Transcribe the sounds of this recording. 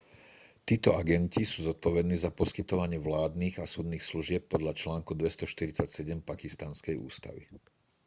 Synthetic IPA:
t̪iːt̪ɔaɡɛncisuːzɔt̪̚pɔʋɛd̪niːzapɔskit̪ɔʋaɲɪɛʋlaːd̪niːɣasuːd̪niːxsluʒɪɛp̚ːɔd̪ʎat͡ʃlaːŋkud̪ʋɛst̪ɔʃt̪iɾit͡sacsɛɟɛmpakist̪anskɛjṵːst̪a̰ʋḭ

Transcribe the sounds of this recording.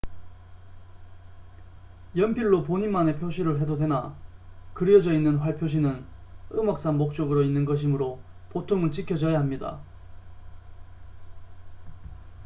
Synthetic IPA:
jʌnpʰiɭːop̬oɲimane̞pʰjoɕʰiɾɯɭɦe̞dodwe̞nakɯɾjʌd͡ʑʌinːɯnɸwaɭpʰjoɕ̬ʰinɯnɯmʌk̚s͈anmok̚t͡ɕ͈ʌɡɯɾoinːɯnɡʌɕ̬ʰimɯɾopotʰoŋɯɭt͡ɕikʰjʌd͡ʑʌjaɦamɲida̰

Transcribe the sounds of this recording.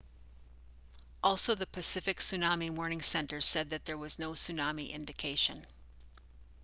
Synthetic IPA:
ʔɔlˠsoʊðɨpʰɨsɪfɨksʉnɑmiwɔɹnɪ̃ŋsɛ̃ntə̥˞sɛd̪̚ðɨt̪̚ðə˞wʌznoʊsʉnɑmiʔɪ̰̃ndɨkʰeɪʃɨ̃n

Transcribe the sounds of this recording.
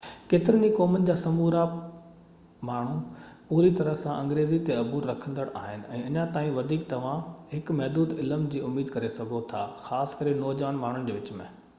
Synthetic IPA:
keːt̪ɪɾəɲikɔːmənɪ̆d͡ʑaːsɐmuːɾa | maːɳ̤ũpuːɾit̪ɐɾəɦsãʔɐ̃ŋɡɾeːzit̪eɐbʱuːɾːɐkʰə̃nd̪əɽa̰ːɦɪnɪ̆ɛ̃ːɐɲãt̪aːĩʋɐd̪ʱiːkt̪ɐʋ̤ãɦɪkmɛɦd̪uːd̪ɪləmd͡ʑiːʊmiːd̪kɐɾesɐɡʱot̪ʰaːxaːskɐɾenɔːd͡ʑʋaːənmaːɳ̤ʊnɪ̆d͡ʑeːʋɪt͡ɕmḛ̃ː

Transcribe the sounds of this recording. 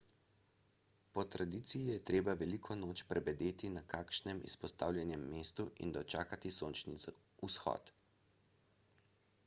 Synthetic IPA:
pɔt̪ɾad̪iːt̪sijijɛt̪ɾeːbaʋɛlikʰɔnoːt͡ʃpɾʔɛbɛd̪eːt̪inakaːkʃnɛmḭspɔst̪a̰ːwljɛnjɛmːeːst̪uḭnd̪ɔt͡ʃaːkat̪isoːnt͡ʃni | usxɔ̰ːt̪

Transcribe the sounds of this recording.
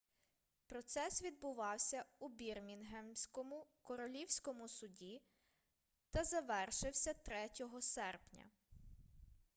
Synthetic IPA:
pɾɔt̪sɛsʋʲid̪̚bʊʋɑwsʲɐubʲirmʲinɦɛmsʲkɔmʊkɔɾɔlʲiwsʲkɔmʊsʊdʲi | t̪ɐzɐʋɛrʃɪwsʲɐt̪ɾɛtʲɔɦɔsɛrpnʲɐ̰

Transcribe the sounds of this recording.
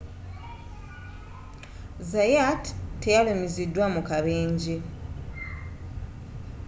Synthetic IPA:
zajattːejalomizidːwamukaβeːɲɟe

